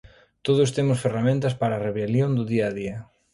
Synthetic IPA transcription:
t̪oð̞ʊst̪emʊsferamẽnt̪ɐspaɾaːreβeljond̪ʊðiaːðiɐ

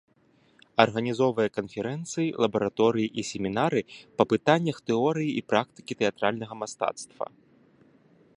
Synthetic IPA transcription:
ɐrɣɐnʲizɔvɐjɐkɐnfʲɛɾɛnt̪sɨjilˠɐbɐɾat̪ɔɾɨjiʔisʲemʲinaɾɨpɐpɨt̪anʲːɐxt̪ɛɔɾɨjiipɾak̚t̪ɨ̥kʲit̪ɛat̪ɾalʲnɐɣɐmast̪a̰t̪st̪vɐ̰

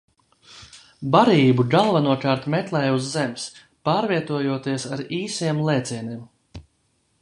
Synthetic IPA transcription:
baɾiːbuɡalˠvanuɔkaːɾt̪mɛt̪lˠɛjuzːɛms | paːɾviɛt̪uɔjuɔt̪iɛsaɾiːsiɛmlˠɛːt̪siɛniɛm

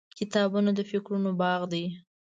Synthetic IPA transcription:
kɪt̪ɑbunad̪əfɪkɾunobɑɣd̪aj

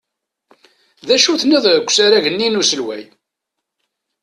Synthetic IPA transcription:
ðæʃuθnæðˤɡʷːsaɾæʝənːinusəlwæ̰j

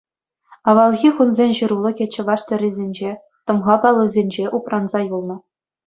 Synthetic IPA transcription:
ɑʋɑlˠɣʲiχunzʲenʲɕɯ̆ɾulˠɤ̆kʲet͡ɕːɘ̆ʋɑʂt̪ʲɘ̆rʲizʲenʲd͡ʑe | t̪ɤ̆mʁɑpɑlˠːɤ̆zʲenʲd͡ʑeʔuprɑnzɑjulˠnɤ̆

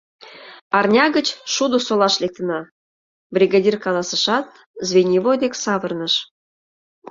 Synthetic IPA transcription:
ɑrnʲɑɣət͡ɕʃud̪osolɑʃlek̚t̪ənɑ | brʲiɣɑd̪ʲirkɑlˠɑsəʃɑt̪̚ | zvʲenʲivod̪eksɑβərnəʃ

